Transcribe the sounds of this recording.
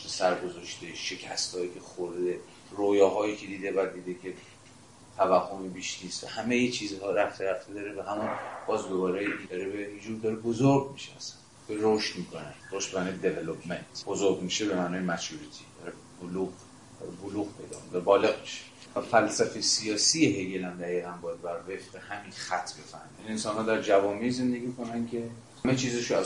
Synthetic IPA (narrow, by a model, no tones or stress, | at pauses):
besæɾɡozɒʃt̪eʃecʰæ̰st̪hɒːiːcʰʲe̞xoɾd̪e | roːjɒːɦɒːjiːcʰe̞d̪iːd̪ebæd̪ːiːd̪ekʲʰe | t̪ʰævæhːomibiːʃniːst̪væ̰hæmejet͡ʃʰiːzɦɒːɾæft̪ʰeɾæft̪ʰed̪ɒːɾebeɦæmunb̥ɒːzɡobɒːɾejiid̪ɒɾebejid͡ʒuːɾd̪ɒːɾebozoɾɡmiʃeæsæ̥n | eɾoʃt̪miːkʰoneɾoʃt̪bemaːnɒːjed̪evelopʰment̪ʰb̥ozoɾɡmiʃebemæːnɒːjemæt͡ʃuɾit̪ʰid̪̥ɒːɾe | boluɣ | d̪̥ɒ̰ɾeboluːɣpʰe̞jd̪ɒ̰kʰond̪æɾbɒːle̞ɣmi̥ʃe̥ | væfælsæfesijɒːsiːjeɦejelæmd̪æɣiːɣænbɒjæd̪bæɾvefbehæminxæt̪ʰːbe̞fæ̰hmijæniensɒːnhɒːd̪æɾd͡ʒævɒːmize̞nd̪e̞ɡiːkʰo̞næncʲʰe̞ | æmet͡ʃʰiːzeʃoæz